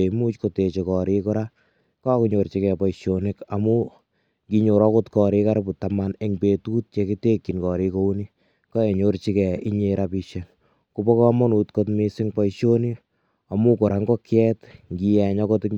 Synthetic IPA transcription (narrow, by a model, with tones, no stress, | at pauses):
e˨mu˦t͡ʃkote˨t͡ʃe˨kɔ˨ɾikʊ˦ɾa˦ | ka˦kuɲoɾt͡ʃikɛ˨pɔ˨iʃonɪka˨mu˦ | ŋkiɲo˨ɾɔ˦ko˦tkɔ˨ɾi˦ka˦ɾbu˨tamane˨ŋpe˨tu˦t̚t͡ʃe˧ki˦te˦kːi˨nkɔ˨ɾiko˦uni˦ | kɔ˦e˨ɲort͡ʃi˦kɛ˨i˦ɲe˧ɾapiʃen | kubɔ˦kɔ˦mɔ˦nu˨tko˦tmisɪŋpa˦iʃo˦ni˦ | a˨mu˦kʊ˨ɾa˨˦ŋɡɔ˦kjɛtŋɡi˧jɛ˨ɲɔkɔ˦t